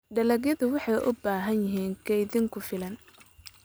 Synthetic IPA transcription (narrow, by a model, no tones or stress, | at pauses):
ɖɐlɐɣjɐðʊwɑħɑjʔʊ̰baːɦɐnjɪɦiːŋkʰɛjðɪŋkʰʊfɪlɐn